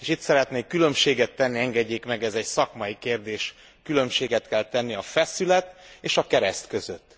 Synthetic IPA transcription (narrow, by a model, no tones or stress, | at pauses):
eːʃit̪sɛɾɛt̪neːkːylø̞mʃeːɡɛt̪ːɛnːiɛŋɡɛɟːeːkmɛɡɛzɛcsɒkmɒjikeːrd̪eːʃ | kylø̞mʃeːɡɛt̪kɛlt̪ɛnːiɒfɛsylɛt̪eːʃɒkɛɾɛst̪kø̞zøt̪ː